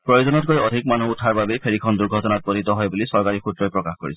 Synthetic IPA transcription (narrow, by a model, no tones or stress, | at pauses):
pɹɔjozɔnɔt̚kojɔdʱik̚manuutʰaɹbabejpʰeɹikʰɔnd̪uɹɡʱɔtɔnat̚bɔɾit̪ɔɦɔjbulisɔɹkaɹikʰutɹɔjpɹɔkaxko̰ɹisɔ